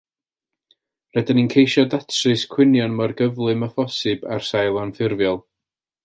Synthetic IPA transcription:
rɛdɪninkʰejʃɔdatʰrɨskʰw̥ɪnjɔnmarɡəvlˠɨməfɔsɨba̰rsajlˠanfɪrvjɔlˠ

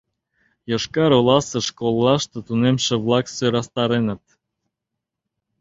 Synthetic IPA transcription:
jɤ̆ʃkɑɾolɑsɤ̆ʃkolˠːɑʃt̪ɤ̆t̪unemʃĕβlɑksøɾɑst̪ɑɾenə̆t̪̚

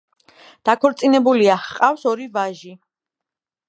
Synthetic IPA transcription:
d̪̥akʰɔɾt̪sʼinɛbuliaχqʼafsɔɾivaʒi

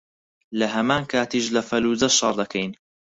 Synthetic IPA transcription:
lɐɦɐmaːnkʰaːt̪iːʃlɐfɐluːzɐʃɑɾˤd̪ɐkʰɛjn

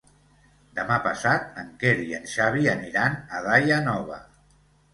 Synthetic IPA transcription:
d̪əmapəsat̪̚əŋkeɾiənʃaβiəniɾanəðajanɔβə̰

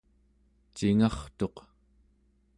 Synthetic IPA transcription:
t͡ʃiŋɑχt̪o̞q

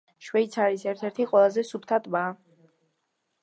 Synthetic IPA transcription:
ʃwɛit̪sʰaɾisɛɾt̪ʰɛɾt̪ʰiqʼwɛlˠazɛsupʰt̪ʰat̪ʼbaː

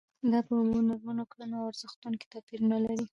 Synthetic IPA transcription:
d̪ɑpəwonaɾmanoklanaaɾz̥əxt̪uŋki̥t̪apiɾunalaɾi

